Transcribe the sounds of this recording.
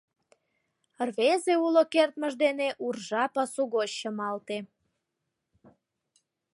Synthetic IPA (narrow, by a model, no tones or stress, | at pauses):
rβezeulokert̪məʒd̪eneʔurʒɑpɑsuɣoɕːəmɑlt̪e